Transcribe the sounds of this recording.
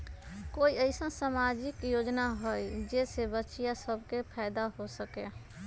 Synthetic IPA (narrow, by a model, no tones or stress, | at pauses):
koːiəɪsə̃samad͡ʒikjod͡ʒnaɦojd͡ʒesebətːʃijasəbʱkepʰaɪd̪aɦosəke